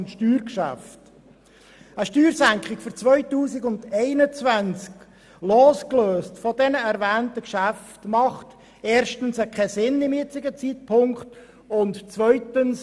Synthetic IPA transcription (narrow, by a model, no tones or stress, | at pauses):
nʃtyːɾkʃæ̰ft | əʃtyːɾsæŋkχɪɡ̥fʏɾt͡svœʏtuːsɪɡʊndɛɪnət͡svænt͡sk | loːskløːstfɔdɛnəɛɾvæːntəkʃæftmɑχt | eːɾʃtənsəkʰɛsɪnɪmɪt͡sɪɡət͡siːt̚pʰʊŋkχt | ʊntt͡svœʏtəns